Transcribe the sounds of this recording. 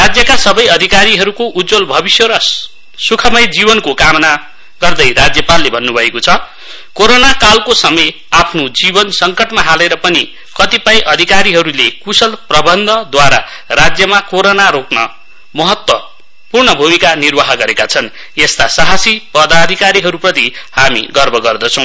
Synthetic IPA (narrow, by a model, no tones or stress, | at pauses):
rad͡zjʌkasʌbʌjʌd̪ʱikaɾiɦʌɾukoʔud͡zolbʱʌbisjʌɾʌ | sukʰʌmʌjd͡zibʌnkokamna | ɡ̥ʌrd̪ʌjrad͡zjʌpalːebʱʌnːubʱʌekot͡sʰʌ | koɾonakalkosʌmʌj | apʰnod͡zibʌnsʌŋkʌʈmaɦaleɾʌpʌni | kʌt̪ipajʔʌd̪ʱikaɾiɦʌɾulekusʌlprʌbʌnd̪ʱʌd̪waɾa | rad͡zjʌmakoɾonaɾoknʌ̰ | mʌɦʌt̪wʌ | purnʌbʱumikanirbaɦʌɡʌɾekat͡sʰʌn | est̪asaɦasipʌd̪ad̪ʱikaɾiɦʌɾuprʌt̪ihamḭɡʌrbʱʌɡʌrd̪ʌt͡sʰʌ̃w̃